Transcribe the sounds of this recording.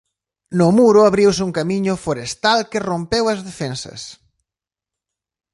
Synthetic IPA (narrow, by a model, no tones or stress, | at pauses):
nʊmuɾʊaβɾiwsɪuŋkamiɲʊfoɾest̪alkɪrompewɐzðefensɐ̰s